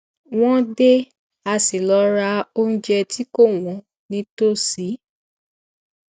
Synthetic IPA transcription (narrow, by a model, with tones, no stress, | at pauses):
w̃ɔ̃˦de˦ | a˧si˨lɔ˨˦ɾa˧o˦n̩˦d͡ʒɛ˧ti˦ko˦˨w̃ɔ̃˨˦ | nĩ˧to˦si˨˦